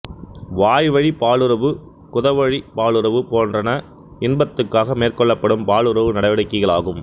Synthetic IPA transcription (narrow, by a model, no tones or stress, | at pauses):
ʋaːjʋɐɻipaːɭɯɾɐʋɯ | kʊðɐʋɐɻipaːɭɯɾɐʋɯpoːndrɐnɐ | ɪnbɐt̪ːɯkːaːɣɐmeːrkɔɭːɐpːɐɽɯmpaːɭɯɾɐʋɯnɐɽɐʋɪɽɐɪkːɯɣɐɭa̰ːɣɯm